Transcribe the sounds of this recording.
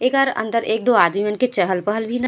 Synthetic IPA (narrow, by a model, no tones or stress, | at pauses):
eːkaːɾɐ̰̃nd̪əɾʔeːk̚d̪oːaːd̪mimənket͡ʃəɦəlpəɦəlbʱinɐ